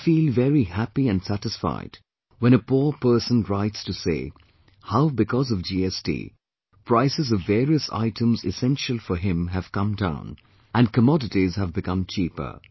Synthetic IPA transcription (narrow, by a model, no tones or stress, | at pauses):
fiːlˠvɛɹihæpiɨ̃nsæɾɨsfa̰ɪd̥ | wɛ̃ñəpuɹpɜ˞sə̃nɹaɪtstɨsḛɪ | haʊbɨkʰɔzʌvd͡ʒiɛstḭː | pʰɹ̥aɪsɨzʌvɛːɹiəsa̰ɪtʰə̃mzɪsɛ̃nʃəlˠfə˞ɦɪ̃mɦɨv̥kʌ̃mdã̰ʊ̃n | ɨ̃nkəmɔdɨtizhəvbɨkʌ̃mt͡ʃʰiːpə̰˞